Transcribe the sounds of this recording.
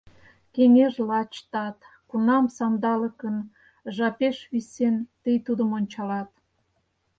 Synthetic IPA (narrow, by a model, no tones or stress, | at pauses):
keŋeʒlɑt͡ɕt̪ɑt̪ | kunɑmsɑmd̪ɑlə̆kən | ʒɑpeʃβisent̪əjt̪ud̪əmonʲt͡ɕɑlɑt̪